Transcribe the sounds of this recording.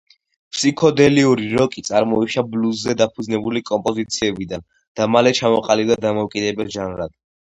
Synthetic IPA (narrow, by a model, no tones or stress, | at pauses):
pʰsikʰɔd̪ɛliuɾiɾɔkʼit̪sʼaɾmɔiʃablusːɛd̪apʰud̪znɛbulikʼɔmpʼɔzit̪sʰiɛbid̪an | d̪̥amalɛt͡ʃʰamɔqʼalibd̪ad̪amɔukʼid̪ɛbɛlʒanɾad̪̥